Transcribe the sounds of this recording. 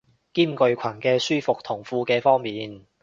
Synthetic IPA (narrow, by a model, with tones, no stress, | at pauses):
kiː˥mkɵ˧ɥkʷʰɐ˨˩nkɛː˧syː˥fʊ˨k̚t̪ʰʊ˨˩ŋfuː˧kɛː˧fɔː˥ŋmiː˨n